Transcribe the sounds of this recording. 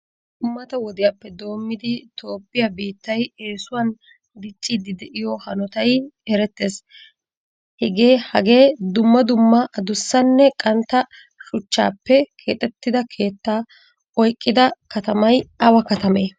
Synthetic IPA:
d̪ʊmːɐt̪ɐwɔd̪ɪjapːɛd̪o̞ːmːɪd̪ɪt̪o̞ːpːɪjabiːt̪ːɐje̞ːsʊwɐn | d̪ɪt͡ʃʼːiːd̪ɪd̪ɛʔɪjɔhɐnɔt̪ɐjɛɾɛt̪ːeːs | hɛɡe̞ːhɐɡe̞ːd̪ʊmːɐd̪ʊmːɐʔɐd̪ʊsːɐnːɛkʼɐnt̪ːɐ | ʃʊt͡ʃːa̰ːpːɛkʰe̞ːt̪ʼɛt̪ːɪd̪ɐkʰe̞ːt̪ːaː | ɔjkʼːɪd̪ɐkɐt̪ɐmɐjɐwɐkɐt̪ɐmeː

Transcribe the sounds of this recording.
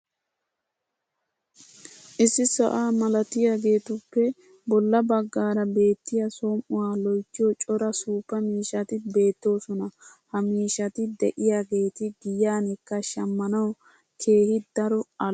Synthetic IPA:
ʔɪsːɪsɐ̰ʔaːmɐlɐt̪ɪjaːɡe̞ːt̪ʊpːɛ | bɔlːɐbɐɡːaːɾɐbe̞ːt̪ːɪjɐsoːmʔʊwaːlɔjt͡ʃːɪjɔt͡ʃʼɔɾɐsuːpːɐmiːʃɐt̪ɪbe̞ːt̪ːo̞ːsɔnɐ | hɐmiːʃɐt̪ɪd̪ɛ̰ʔɪjaːɡe̞ːt̪ɪɡɪjaːnɪkːɐʃɐmːɐnɐw | kʰe̞ːhɪd̪̥ɐɾɔɐ

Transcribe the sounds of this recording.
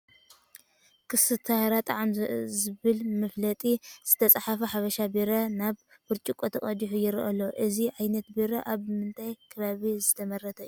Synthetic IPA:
kʰɨsɨt̪ʰahɾat̪ʼaʕamzɨβɨlmɨflɐt̪ʼiz̥ɨt̪ʰɐt͡sʼaħafɐħaβɐʃabiɾɐnaβ | fɨɾt͡ʃʼikʼot̪ʰɐkʼɐd̪iħujɪɾɨ̰ʔɐlːoʔɨziʕajnɐt̪biɾɐʔaβmɨnt̪ʰajkʰɨβaβizɨt̪ʰɐmɐrːɐt̪ʰɐɨju

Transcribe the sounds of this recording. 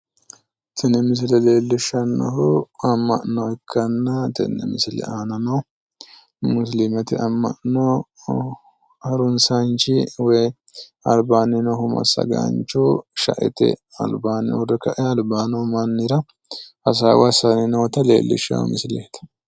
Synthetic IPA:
t̪ʰɛnɛmɪs̬lɛle̞ːlːɪʃːɐnːɔ̰ɦʊɐmːɐ̰ʔnoɪkʰːɐnːɐt̪ɛ̰nːɛ̰mɪslɛ̰aːnɐnɐw | mʊs̬lɪmɐt̪ɪɐmːɐ̰ʔno | hɐɾʊnsɐnt͡ʃɪwɔj | ɐlbaːnɪnɔhʊmɐ̰sɐ̰ɡa̰nt͡ʃuʃɐ̰ʔɛ̰t̪ɛ̰ | ɐ̰lbaːnɪ̰wʊrɛkɐʔɛɐlbaːnɐmɐnːɪɾɐ | ɐs̬a̰wɐsɐnɪnɔwt̪ɐlḛːlːɪ̰ʃːɐ̰mɪslɛht̪ɐ̥

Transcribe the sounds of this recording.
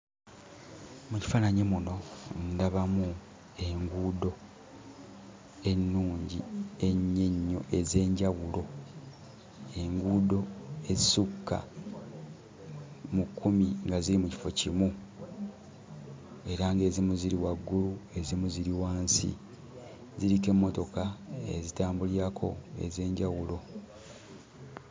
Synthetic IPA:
muci̥fanaɲemuno̞ndaβamu | e̞ŋɡuːdo̞ | e̞nːuːɲɟie̞ɲːeɲːo̞̰ʔe̞ze̞ːɲɟawulo̞ | e̞ŋɡuːdo̞e̞zisukʰːa̰ | mukːumiŋɡaziɾimuci̥fo̞cimu | e̞ɾaŋɡe̞ːzimuziɾiwaɡːulue̞zimuziɾiwaːnsḭ | ziɾike̞mːo̞to̞kaḛzitaːmbuliɾakʰo̞̰e̞̰ze̞ːɲɟawulo̞

